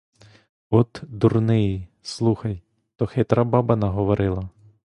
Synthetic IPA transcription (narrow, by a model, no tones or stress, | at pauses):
ɔt̪d̪urnɪji | slˠuxɐj | t̪ɔxet̪ɾabɑbɐnɐɦɔʋɔɾʔɪlˠɐ